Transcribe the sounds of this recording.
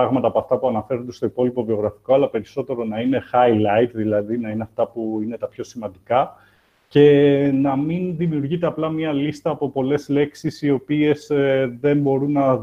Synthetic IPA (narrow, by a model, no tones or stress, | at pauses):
ɐɣmɐt̪ɐpoɐft̪ɐpuɐnɐfe̞ɾond̪e̞st̪oipo̞lipo̞vio̞ɣɾɐfi̥ko̞ɐlɐpe̞ɾiso̞t̪e̞ɾo̞nɐine̞xɐilɐit̪ðilɐðinɐineɐft̪ɐpuine̞t̪ɐpço̞simɐnd̪ikɐ | ce̞nɐminðimiuɾʝit̪e̞ɐplɐmɲɐlist̪ɐːpo̞po̞le̞zle̞ksisio̞pie̞zðe̞mbo̞ɾunːɐ